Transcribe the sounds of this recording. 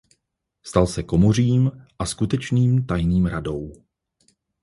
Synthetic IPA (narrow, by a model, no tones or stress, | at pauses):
st̪alsɛko̞mor̝iːmʔaskut̪ɛt͡ʃniːmt̪ajniːmɾado̞w